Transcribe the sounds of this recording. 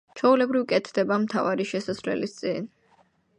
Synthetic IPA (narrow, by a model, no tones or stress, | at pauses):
t͡ʃʰɔulɛbɾivkʼɛt̪ʰd̪ɛbamt̪ʰavaɾiʃɛsasvlɛ̰list̪sʼin